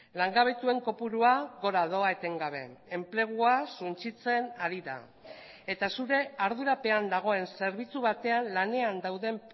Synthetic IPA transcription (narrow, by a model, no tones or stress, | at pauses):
laŋɡaβ̞e̞t̪ue̞ŋko̞puɾuaɣo̞ɾaðo̞aet̪e̞ŋɡaβ̞e̞̰ːmple̞ɣ̞uasunt͡ʃit͡se̞naɾiða̰ | e̞t̪asuɾe̞aɾð̞uɾape̞and̪aɣ̞o̞e̞nse̞ɾβ̞it͡suβat̪e̞anlane̞and̪awðe̞m